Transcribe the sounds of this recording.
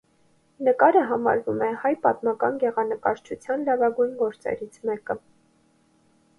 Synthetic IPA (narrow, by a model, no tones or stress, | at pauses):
nəkɑɾəɦɑmɑ̰ɾvumɛhɑjpɑt̪mɑkɑnɡɛʁɑnəkɑɾt͡ʃʰut͡sʰjɑnlɑvɑɡujnɡɔɾt͡sɛ̰ɾit͡sʰmɛkə